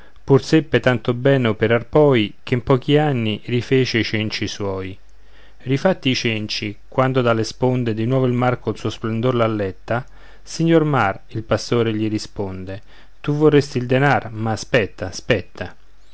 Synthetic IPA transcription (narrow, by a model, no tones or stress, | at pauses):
pursɛpːet̪ant̪obɛːnopeɾarpɔːik̟eimpɔːk̟ianːirifeːt͡ʃeit͡ʃɛnt͡ʃiswɔːj | rifat̪ːit͡ʃɛnt͡ʃikwand̪od̪alːespond̪ed̪inwɔːvoilmarkonsuːosplend̪oɾlalːɛt̪ːa | siɲːormar | ilpast̪oːɾeʎiɾispond̪e | t̪uvːorːest̪ild̪enarmaspɛt̪ːaspɛt̪ːa